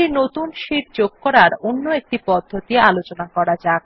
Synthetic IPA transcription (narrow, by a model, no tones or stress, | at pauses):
inot̪unʃiʈ̚d͡ʑoɡ̚kɔɾaɾonːoek̚ʈipɔd̪ʱːot̪ialot͡ɕonakɔɾad͡ʑa